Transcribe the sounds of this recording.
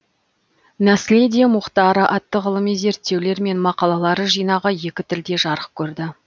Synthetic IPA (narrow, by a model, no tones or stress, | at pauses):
mæsled̪emʊqt̪ɑɾəʔɑt̪ːəʁəlˠəmijze̞ɾt̪ːe̞wle̞ɾme̞nmɑqɑlˠɑlˠɑɾəʒijnɑʁəje̞kʲɪt̪ʰɪld̪e̞ʒɑɾəq̚kʲʰɵɾd̪ɪ